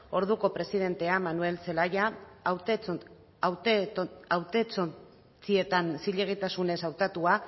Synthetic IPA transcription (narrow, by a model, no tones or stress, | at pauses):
o̞ɾðuko̞pɾe̞sið̞e̞nt̪e̞amanue̞lse̞lajaw | w | awt̪et͡so | t͡sie̞t̪ansiʎe̞ɣ̞it̪asune̞sawt̪at̪ua